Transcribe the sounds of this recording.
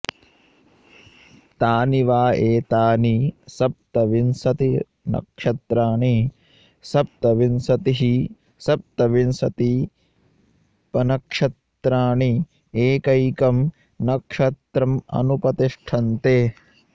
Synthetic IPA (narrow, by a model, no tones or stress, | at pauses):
t̪aːniʋaːeːt̪aːnisɐp̚t̪ɐʋinsɐt̪i | nɐ̰kʂɐt̪ɾaːɳi | sɐp̚t̪ɐʋinsɐt̪iɦi | sɐp̚t̪ɐʋinsɐt̪i | pɐnɐkʂɐt̪ɾaːɳi | eːkɐjkɐm | nɐkʂɐt̪ɾɐmɐ̰nupɐt̪iʂʈʰɐnt̪eː